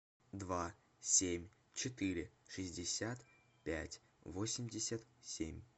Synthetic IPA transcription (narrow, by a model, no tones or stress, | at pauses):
d̪va | sʲemʲ | t͡ɕɪt̪ɨɾʲɪʂɨzʲdʲɪsʲat̪ | pʲæ̰tʲ | vosʲɪmʲdʲɪsʲət̪sʲḛmʲ